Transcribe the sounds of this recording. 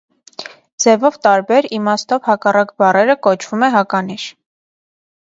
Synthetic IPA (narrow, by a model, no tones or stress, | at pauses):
d͡zɛvɔvt̪ɑɾbɛɾimɑst̪ɔvhɑkɑrɑkbɑrɛɾəkɔt͡ʃʰv̥umɛɦɑkɑniʃ